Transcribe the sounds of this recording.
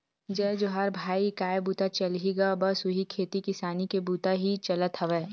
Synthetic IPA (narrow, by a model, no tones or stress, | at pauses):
d͡ʒɛd͡ʒoːɦaːɾbʱaːikaːjebuːt̪at͡ʃɐlɦiɡabɐsʊɦikʰeːt̪ikɪsaːnikebuːt̪aɦit͡ʃɐlət̪ɦɐʋeː